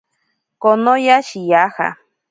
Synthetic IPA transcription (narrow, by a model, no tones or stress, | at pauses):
konojaʃijaha̰